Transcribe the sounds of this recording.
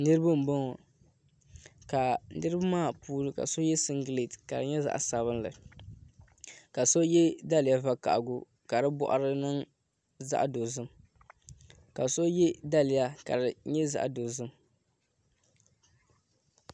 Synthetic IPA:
nɨ˦ɾɨ˦bɨ˦m̩˨bɔ˦ŋɔ˨ | ka˨nɨ˦ɾɨ˦ba˦maː˦˨puː˦lɨ˦ka̰˨so˦jɛ˦sɨ˦ŋɡle˨tka˨ɾɨ˨ɲɛ˦za̰˦ʔa̰˨sa˨βɨ˦nlɨ̰˨ | ka˨so˦jɛ˦da˦lɪ˨ja˦va˦ka̰˨ʔɡʊ˦ | ka˨ɾɨ˦bɔ̰˦ʔa̰˨ɾɨ˦nɨ˦ŋ | za̰˦ʔdo˨zɨ˦m | ka˨so˦jɛ˦da˦lɪ˨ja˦ka̰˨ɾɨ˨ɲɛ˦za̰˦ʔdo˨zɨ˦m

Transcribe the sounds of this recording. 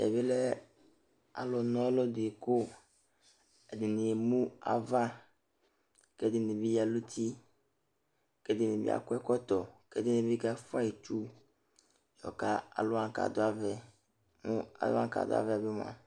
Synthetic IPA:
ɛ̰˨βɪ˦lɛ˦ | a̰˨lɔ˨nɔ̃˦lo˦dɪ˨kʊ˦ | ɛ˨dɪ˨nɪ˨mũ˦a̰˨va˦ | kɛ˦dɪ˨nɪ˨bi˦ja˨lu˦t̪i˦ | kɛ˦dɪ˨nɪ̃˨bḭ˦a̰˨kʊ˦ɛ˦kɔ˦t̪ɔ˨kɛ̰˦dɪ˦ne˨bi˦ka˦fa˦i˨t͡ʃu˦ | jɔ̰˨ka˦a̰˨lʊ˦a˨ka̰˨d̪ʊ˦a˦vɛ˦ | mũ˦a̰˨dʊ̰˦ã̰˦ka̰˨d̪ʊ̰˦a̰˦˨vɛ˦˨a˨bɪ˦m˨a̰˨

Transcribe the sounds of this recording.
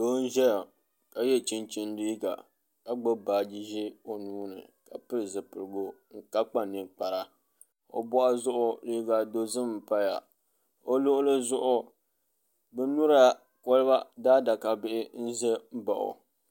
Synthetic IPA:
doː˦n̩˦ʒɛ˦ja˨ | ka˨jɛ˦t͡ʃi˦nt͡ʃi˦n˦diː˦ɡa̰˨ | ka˨ɡ͡bo˦baː˨d͡ʒi˦ʒi˦o˦nuː˦nɨ̰˨ka˨pɨ˦ɾɨ˨zɨ˨pɨ˨ɾɨ˨ɡo˦ŋ̩˦ka˦k͡pa˨nɨ˨k͡pa˨ɾa˨ | o̰˨bɔ˦ʔa˦zʊ˦ʔʊ˦diː˦ɡa˨do˦zɨ˦m˦˨pa˦ja̰˨ | o˦lo˦ʔʊ˦lɨ˦zʊ˦ʔʊ˦ | bɛ˦nu˦ɾa˦ | ko˦lɨ˦ba˦daː˦da˨ka˨bɪ˦ʔɪ˦n̩˦zɛ˦m̩˦ba˨ʔʊ̰˨

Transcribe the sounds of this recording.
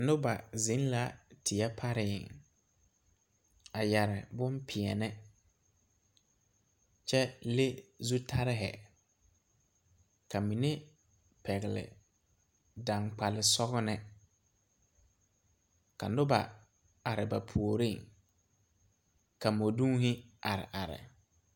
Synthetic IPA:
nʊ˦ba˨zɪ̃˨˦n˦la˦tʰɪ˨ɛ˦pʰa˦ɾɪ˨ɪ˨ŋ | a˨ja˨ɾɪ̰˨bʊ˦mpʰɪ˨ɛ˨nɛ˦ | t͡ʃɛ˦le˦zu˦tʰa˦ɾɪ˦ɦɛ̰˨ | ka˨mi˨ne˦ | pʰɛ˨ɣɪ˨lɪ̰˨ | da˨ŋk͡pa˨lɪ˨sɔ˦ɣʊ˦nɛ˦ | ka̰˨nʊ˦ba̰˨ | a˨ɾɪ˨ba˨pʰu˨o˨ɾi˦˨ŋ | ka˨mo˨dũ˦ɦɪ˦a˨ɾɪ̰˨ʔa˨ɾɪ̰˨

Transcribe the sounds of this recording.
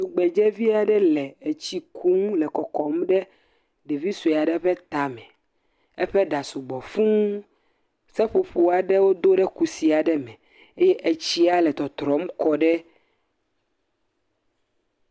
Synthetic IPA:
su˨ɡ͡bɛ˨d͡ʒɛ˦vi˦a˨ɖɛ˦lɛ˨e˨t͡ɕi˦kʰu˦ŋũ˦lɛ˨kɔ˨kɔ˨mɖɛ˦ | ɖɛ˨vi˦su˨a˨ɖɛ˦ɸɛ˦t̪a˨mɛ̃˨ | ɛ˦ɸɛ˦ɖa˨su˨ɡ͡bɔ˨fũ˦ŋ˦ | sɛ˦ɸo˨ɸo˨a˨ɖɛ˦wo˦d̪o˦ɖɛ˦ku˨si˨a˨ɖɛ˦mɛ̃˨ | e˦jɛ˦ʔe˨t͡ɕi˦a˦lɛ˨t̪ɔ˨t̪ɾɔ˨˦m˦kɔ˨ɖɛ˦

